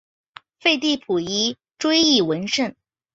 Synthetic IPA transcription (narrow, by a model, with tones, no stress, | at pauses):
fe˥˧ɪt̪i˥˩pʰu˨˩i˥ | ʈ͡ʂwe˥ɪi˥˩wə˧˥nʂə˥˩n